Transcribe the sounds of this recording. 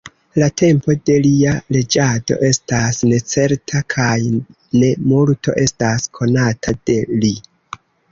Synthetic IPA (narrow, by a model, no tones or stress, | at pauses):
latʰe̞mpo̞de̞liale̞d͡ʒado̞̰ʔe̞stasne̞t͡se̞ɾtʰakʰaj | ne̞multo̞̰ʔe̞staskʰo̞natʰad̥e̞li